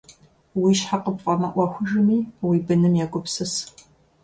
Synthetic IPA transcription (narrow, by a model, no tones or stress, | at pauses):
wiːʃħaqəpqʼɐmɐʔʷɐxʷʊʒɨmiːwiːbɨnɨmjaːɡʷʊpsɨs